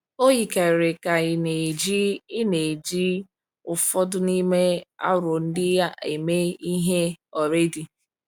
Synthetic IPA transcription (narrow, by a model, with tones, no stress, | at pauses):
o˦ji˨ka˨ɾe˨ka˨ɣɪ˨ne˨d͡ʒi˦ɪ˦ne˨d͡ʒi˦ | ʊ˨fɔ˦dʊ˦ni˦me˦a̰˦ɾo˨n̩˦dɪ˦ja˦ʔe˨me˦i˦ɦe˦ɔ˨ɾe˦di˨